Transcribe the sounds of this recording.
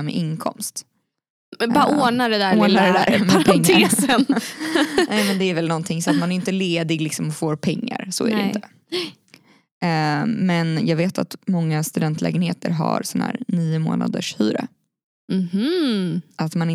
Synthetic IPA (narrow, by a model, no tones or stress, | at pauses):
mɛ̰ʔɪnkʰɔ̰mst̪ | bɑoːnaɖɛd̪æɾoːnaɾɛd̪æːɾpʰɛŋŋt̪ːʰesən | nɛːmɛnd̪ɛæɾvɛlnɔnt̪ʰɪŋsɔat̪manæɾjʏnt̪əleːd̪ɪɡlɪksɔmɔfoːɾpʰɛŋːa̰ɾsɔ̰æ̰ɾɛɪɪt̪ə | mɛnjɑːɡveːt̪a̰t̪mɔŋːast̪ɵd̪ɛnt̪ʰlɛ̰ːɡənheːt̪əɾɦa̰ɾsɔnhæ̰ːɾniːʊmo̰ːna̰d̪əʂhyːɾə̰ | h̩ | ʔat̪manɪ